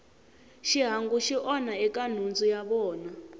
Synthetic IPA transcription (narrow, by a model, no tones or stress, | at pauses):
ʃiɦaŋɡuʃiʔɔnaɛkan̤und͡zujaβɔːna